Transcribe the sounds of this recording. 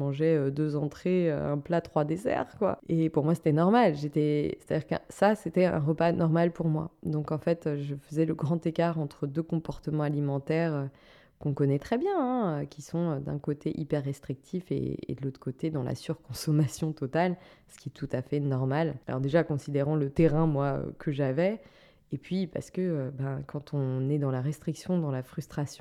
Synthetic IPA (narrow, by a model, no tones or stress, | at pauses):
mɑ̃ʒɛød̪øzɑ̃t̪χeø̰ɛ̰̃plat̪χwad̪ezɛ̰ʁkwa̰epuʁmwase̥t̪ɛnɔʁmalʒet̪ɛse̥t̪ad̪ʲiʁkɛ̰̃saset̪ɛɛ̰̃ʁəpanɔʁmalpuʁmwa̰d̪ɔ̃kɑ̃fɛt̪øʒəfəzɛləɡʁɑ̃t̪ekaʁɑ̃t̪χəd̪økɔ̃pɔʁt̪əmɑ̃alimɑ̃t̪ɛʁø | kɔ̃kɔnɛt̪χɛbjɛ̃ɛ̃økʲisɔ̃ød̪ɛ̰̃kot̪ʰeʔipɛʁːɛst̪χik̚t̪ʰifḛːd̪əlot̪χəkot̪ed̪ɑ̃la̰syʁkɔ̃sɔmasjɔ̃t̪ɔt̪alsə̥kʲiɛt̪ʰut̪afɛnɔʁmalalʔɔ̰ʁd̪eʒakɔ̃sid̪eʁɑ̃lət̪eʁɛ̃mwaø̰kəʒavɛ | epɥipa̰ʁsə̥kəøbɛ̃kɑ̃t̪ʰɔ̃nɛd̪ɑ̃laʁɛst̪χiksjɔ̃d̪ɑ̃lafχyst̪χasjɔ̃